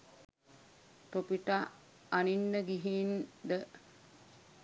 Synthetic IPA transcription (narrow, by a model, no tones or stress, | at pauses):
t̪opiʈa | aninːəɡiɦind̪ə